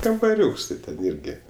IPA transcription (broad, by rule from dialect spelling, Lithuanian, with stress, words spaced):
kɐmbɐˈrʲuːks tʲɪ ˈtʲɛn ˈɪrʲɡʲɪ